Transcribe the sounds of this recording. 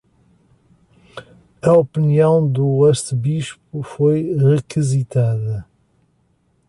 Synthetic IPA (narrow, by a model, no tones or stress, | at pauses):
ɐɔpɨniɐ̃w̃d̪uɛʃsɨβiʃpufojʁɨkɨzit̪aðɐ